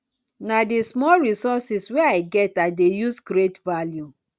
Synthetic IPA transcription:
nadismɔlɹisɔsisweaɪɡɛtaɪdejusɡɾetvalju

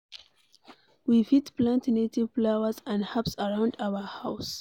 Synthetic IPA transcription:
wifitplãntnetivflawəzãndhapsəɹãʊ̃ndaʊəhaʊs

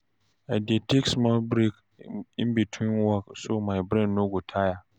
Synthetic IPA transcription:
aɪdiɛtʰeksmɔlbɾek | ɪ̃nbitʰwĩnwɔksomaɪbɾɛ̃nːõɡotʰaja

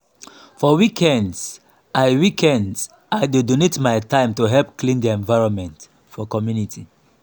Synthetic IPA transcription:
fɔwikʰɛ̃nds | aɪwikʰɛ̃nds | aɪdedonetmaɪtãɪ̃mtuɦɛlpklĩnd̪iɛ̃ɱvaɪɹɔ̃nmɛ̃nt | fɔkɔmjunitʰi

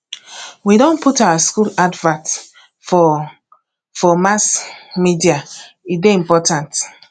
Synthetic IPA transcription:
widɔ̃nputawaskuladvãt | fɔ | fɔmasmidia | ideĩmpɔtãnt

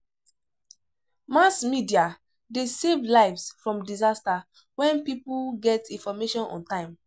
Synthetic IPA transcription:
masmidia | desevlaɪvsfɹɔ̃mdizasta | wɛ̃npipulɡɛtĩnfɔmeʃɔ̃nɔ̰̃ntãɪ̃m

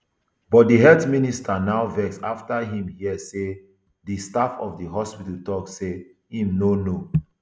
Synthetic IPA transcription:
bɔt̚diɦɛtministanaʊvɛksaftaɦĩmjiɛse | distafɔ̰fdiɦɔspitətɔkse | ĩmnono

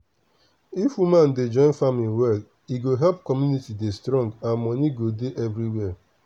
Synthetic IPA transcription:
ifwumãnded͡ʒɔ̃ɪ̃nfamĩnwɛl | iɡoɦɛlpkɔmjunitidestɾɔ̃ŋɡãnmɔniɡodeʔɛvɾiwɛ

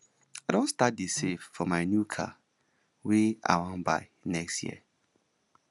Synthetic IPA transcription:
adõnstat̚diseffɔmaɪnjukʰa̰ | wia̰wãnba̰ɪ | nɛkstjḭə

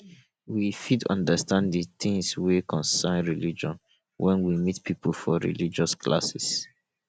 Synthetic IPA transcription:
wifidɔ̰̃ndəstãnddiθĩŋswekʰɔ̃nsɛnɹilid͡ʒɔ̃n | wʔɛ̃nwimitpipl̩fɔɹḭlid͡ʒɔskʰla̰sɛs

